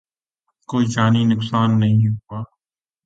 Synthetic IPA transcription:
koːiːd͡ʒaːniːnʊksaːnːəɦĩːɦuaː

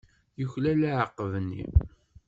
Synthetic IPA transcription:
jəçlælæʕəqːəvnːḭ

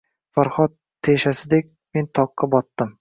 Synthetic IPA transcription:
faɾχɒt̪̚ʰːeʃasɪd̪ekʲ | me̞nt̪ʰɒqːɑbɒt̪ːɪm

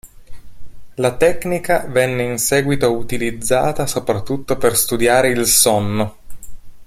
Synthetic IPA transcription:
lat̪ɛknikavɛnːeinsɛːɡwit̪out̪ilid̪zːa̰ːt̪asopɾat̪ːut̪ːoperst̪ud̪jaːɾeilsɔnːo

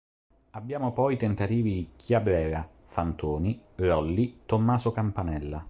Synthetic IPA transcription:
abːjaːmopɔjt̪ɛnt̪at̪iːvid̪ikʰjabɾɛːɾa | fant̪uːniɾɔlːit̪omːaːzokampanɛlːa

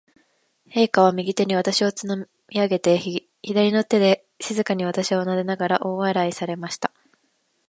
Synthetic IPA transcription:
he̞ːkaβ̞amʲiɡʲit̪e̞ɲ̟iβat̪aɕio̞t͡sɨno | mʲiaɡe̞t̪e | çid̪aɾʲino̞t̪e̞d̪e̞ | ɕizɨkaɲ̟iβ̞at̪aɕiβonad̪e̞naɡaɾaʔo̞ːβaɾaisaɾe̞maɕi̥t̪ḁ

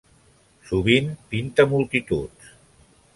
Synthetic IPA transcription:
suβimpint̪əmulˠt̪it̪ut̪s

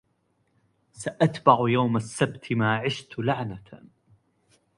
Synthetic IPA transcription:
saʔat̪baʕjawmasːabt̪ʰmaːʕɪʃt̪laʕna

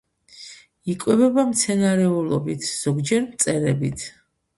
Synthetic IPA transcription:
ikʼwɛbɛbamt̪sʰɛnaɾɛulˠɔ̰bit̪ʰz̥ɔɡd͡ʒɛɾmt̪sʼɛɾɛbit̪ʰ

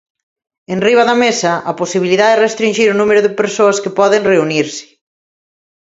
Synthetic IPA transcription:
enriβaðɐmesaʔɐposiβ̞iliðaðɛrest̪ɾiɲʲʒiɾonumeɾʊðɪpeɾsoaskepɔðɪŋreuniɾsɪ̥

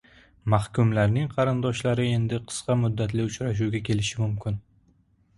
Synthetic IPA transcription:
mahkʊmlaɾnɪŋqʰɑɾɪnd̪ɒʃlaɾɪe̞nd̪ɪqʰɨ̥sqɑmʊd̪ːat̪lɪʊt͡ʃɾaʃ̬uwɡʲakʲʰe̞lɪʃɪmʊmkʲʰɪn

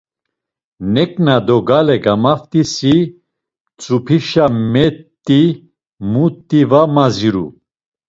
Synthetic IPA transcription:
nɛkʼnad̪ɔɡalɛɡamaft̪ʼisi | t͡sʼupʰiʃamɛt̪ʼːi | mut̪ʼːivamaziɾṵ

